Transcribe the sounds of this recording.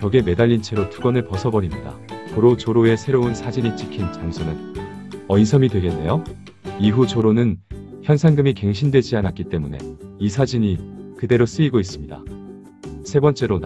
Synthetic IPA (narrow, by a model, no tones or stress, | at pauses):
kʌɡeme̞daʎːint͡ɕʰe̞ɾotuɡʌnɯɭpʌsʰʌbʌɾimɲida̰poɾot͡ɕoɾoe̞sʰe̞ɾounsʰad͡ʑiɲit͡ɕ͈ikʰint͡ɕaŋsʰonɯn | ʌinsʰʌmidwe̞ɡe̞nːe̞jo | iɦut͡ɕoɾonɯnçjʌnsʰanɡɯmike̞ŋɕʰindwe̞d͡ʑianak͈it͈e̞mune̞̰isʰad͡ʑiɲikɯde̞ɾos͈ɯiɡois͈ɯmɲida̰ | sʰe̞bʌnt͡ɕ͈e̞ɾon